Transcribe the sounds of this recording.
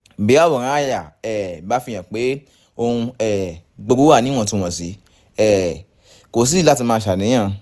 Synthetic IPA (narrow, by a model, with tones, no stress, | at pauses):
be˨˦a˦˨bɔ˨ɾ̃ã˧˦a˦˨ja˨ɛ˨ba˨˦fi˧j̃ã˨k͡pe˨˦ | o˧hũ˧ɛ˨ɡ͡bo˧ɾu˦a˦˨nĩ˦w̃ɔ̃˦˨tũ˧w̃ɔ̃˨si˨˦ | ɛ˨ | ko˨s̬i˦la˦ti˧mãː˧˦ʃa˨nĩ˨˦ã˦˧˨